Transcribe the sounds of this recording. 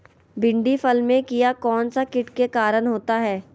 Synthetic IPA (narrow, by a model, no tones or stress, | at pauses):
bɪ̃ɳɖifəlmẽkijakɔːnsakɪʈkekaːɾənɦoːt̪aɦɛː